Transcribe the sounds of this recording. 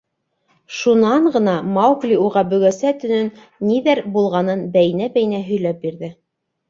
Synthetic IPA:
ʃunɑɴɢɤ̆nɑmɑwklʲiuʁɑbɵ̆ɡæsæt̪ɵ̆nɵnː | iðæɾbulˠʁɑnɤnbæjɘ̆næbæjɘ̆næɦɵ̆jlæp̚biɾðɘ

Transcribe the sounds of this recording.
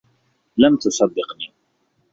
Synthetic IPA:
lamt̪ʊsˤɑd̪ːɪqniː

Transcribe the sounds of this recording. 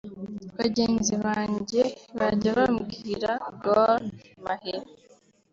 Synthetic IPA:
βaɟe̞ːnziβaːɲɟe̞βaɟaβamɡiːɾaɡoɾ | maheɾ

